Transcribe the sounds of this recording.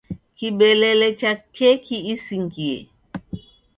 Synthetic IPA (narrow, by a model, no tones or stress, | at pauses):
kiɓɛlɛlɛt͡ʃakɛkʰiisiŋɡiɛ̰